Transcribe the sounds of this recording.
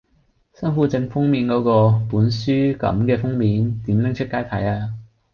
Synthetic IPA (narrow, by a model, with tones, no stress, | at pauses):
sɐ˥nfuː˨˥t͡sɪ˧ŋfʊ˥ŋmiː˨˧˥nkɔː˨˥kɔː˧puː˨˥nsyː˥kɐ̰˨˥mkɛː˧fʊ˥ŋmiː˨˥nt̪iː˨˥mlɪ˥ŋt͡ʃʰɵ˥t̚kaː˥jt̪ʰɐ˨˧˥jaː˧